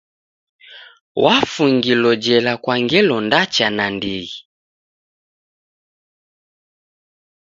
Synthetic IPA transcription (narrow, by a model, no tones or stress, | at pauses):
wafuŋɡilɔd͡ʒɛlakwaŋɡɛlɔndat͡ʃanandiɣi